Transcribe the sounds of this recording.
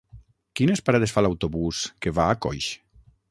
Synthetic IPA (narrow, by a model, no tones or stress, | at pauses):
kinespaɾaðesfalawt̪oβuskeβaːkɔ̰jʃ